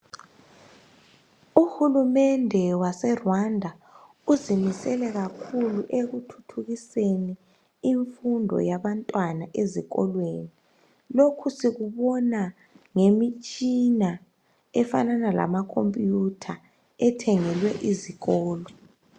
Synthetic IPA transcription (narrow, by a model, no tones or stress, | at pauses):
uhulumɛndʱɛwasɛrwandʱa | uzimisɛlɛɣakʰuluʔeɣutʰu̥tʰuɣiseni | iɱfundʱɔ̰jaβantʼwanaʔeziɣɔ̰lweni | lokʰusiɣuβɔna | ŋemit͡ʃʼina | ɛfananala̰makʰompʼjutʰa | ɛtʰɛŋɛlwɛʔiziɣɔːlɔ